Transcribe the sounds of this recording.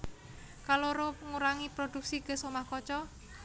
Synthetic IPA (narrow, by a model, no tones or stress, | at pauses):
kaloɾoŋuɾaŋipɾod̥uk̚siɡ̥ə̤somahkɔt͡ʃɔ